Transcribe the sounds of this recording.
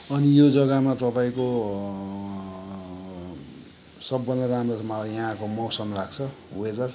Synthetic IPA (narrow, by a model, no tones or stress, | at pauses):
ʌnijod͡zʌɡamat̪ʌpaĩko | sʌbːʌnd̪ʌɾamromʌlajʌɦãkomʌwsʌmlaɡt͡sʰʌ | ued̪ʌr